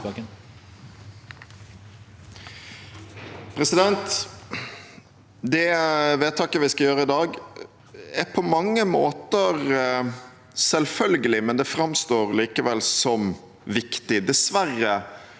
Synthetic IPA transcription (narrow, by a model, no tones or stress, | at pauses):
pʰɾɛsɪd̪ɛnt̪ | d̪ɛʋeːt̪ʰːɑkːəʋɪskɑjøːɾəɪd̪ɑːɡ | æɾpʰɔmɑŋːəmoːt̪əʁ | sɛlfœlɡəlɪmɛnd̪ɛfɾɑmst̪oːʁliːkəʋɛlsɔm | ʋɪkt̪ɪd̪ɛsʋæʁːə